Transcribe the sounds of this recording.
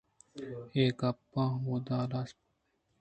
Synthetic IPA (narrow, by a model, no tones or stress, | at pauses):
eːkɐpːãːɦoːd̪aːlas